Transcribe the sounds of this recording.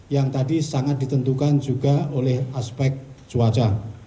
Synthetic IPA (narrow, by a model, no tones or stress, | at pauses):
jaŋt̪adisaŋat̪̚d̥it̪ənt̪ukand͡ʒuɡa̤olɛhaspɛk̚d͡ʒ̥uwat͡ʃa